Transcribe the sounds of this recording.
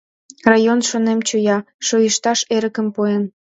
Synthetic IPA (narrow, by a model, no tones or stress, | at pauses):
rɑjonʃonemt͡ɕujɑ | ʃojəʃt̪ɑʃeɾəkə̆mpuen